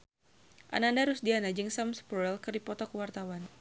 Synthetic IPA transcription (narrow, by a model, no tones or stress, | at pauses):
ʔa̰nandaɾusdianad͡ʒɨŋsamspuɾɛlkɨrdipɔt̪ɔkəwart̪awan